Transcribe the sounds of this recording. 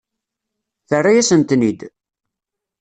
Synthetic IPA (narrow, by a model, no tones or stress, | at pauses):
θərːajæsənt̪nid̪